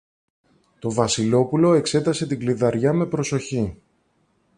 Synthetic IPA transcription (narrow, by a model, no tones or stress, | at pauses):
t̪o̞vɐsilo̞pulo̞e̞kse̞t̪ɐse̞t̪iɡliðɐɾʝɐme̞pɾo̞so̞çi